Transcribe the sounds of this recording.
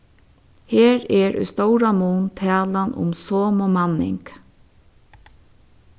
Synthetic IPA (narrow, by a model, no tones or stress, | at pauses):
heːɾɛɹʔʏ̰st̪owɾamuːnt̪ʰæːlanʔʊ̰msoːmomɑnɪ̰ŋk